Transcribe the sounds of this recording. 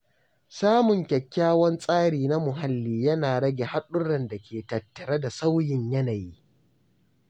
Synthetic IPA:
saː˦mʊ˨ŋkʲɐ˨kʲːaː˦wɐ˦nsʼaː˦ɽiː˨na˦mʊ˨ɦa˦lːiː˨jɐ˦naː˨ɽɐ˦ɡʲe˨ha˦ɗʊ˦ɽɐ˨nda˨kʲeː˨tɐ˨tːɐ˨ɾa˦da˨sa˦wjɪ˨ɲjɐ˦na˨jiː˦

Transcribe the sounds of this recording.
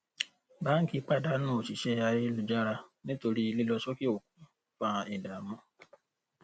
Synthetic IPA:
ba˨˦ŋ̩˦ki˦˧k͡pa˦˨da˧˦nũ˦˨ʃi˨ʃɛ˦a˧je˦lu˨d͡ʒa˦ɾa˧nĩ˦to˧ɾi˦i˧li˦lɔ˧ʃɔ˦ki˦o˨ku˨˦ | fã˧ɛ˨da˨mɔ̃˧

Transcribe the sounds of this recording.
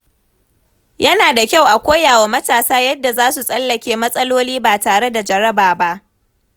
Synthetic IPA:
jʔɐ˦naː˨da˨kʲa˦˨wʔa˨kʷoː˦jaː˨wa˨mɐ˦taː˨saː˦jɐ˦dːa˨zaː˦su˨sʼɐ˦lːɐ˨kʲeː˦mɐ˦sʼɐ˦loː˦liː˦baː˨taː˨ɽe˦da˨d͡ʒɐ˨ɾɐ˦baː˨ba˦ʔ

